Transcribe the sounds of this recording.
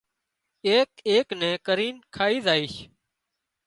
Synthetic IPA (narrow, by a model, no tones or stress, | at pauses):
eːkeːknɛ̃ːkəɾiːnkʰaːiːzaːiːʃ